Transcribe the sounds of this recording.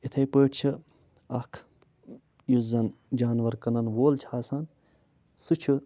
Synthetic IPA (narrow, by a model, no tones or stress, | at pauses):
it̪ʰɐjpəːʈʰt͡ʃʰi | ɐkʰ | juzɐnd͡ʒaːnʋɐɾkɐnɐnʋoːlt͡ʃʰaːsɐn | sut͡ʃʰu